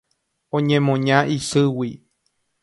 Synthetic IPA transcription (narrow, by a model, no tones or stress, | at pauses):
õɲẽmõɲãʔisɨwi